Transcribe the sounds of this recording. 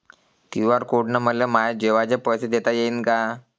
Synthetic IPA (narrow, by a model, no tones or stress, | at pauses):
t̪iʋaɾkoʈnaməljamajd͡ʑeʋad͡ʑepəjsed̪et̪ajeinka